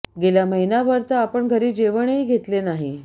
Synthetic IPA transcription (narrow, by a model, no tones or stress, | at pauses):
ɡeljaməɦinaʋəɾt̪aːpəɳɡʱəɾiːd͡ʑeʋəɳeiɡʱet̪lenaɦi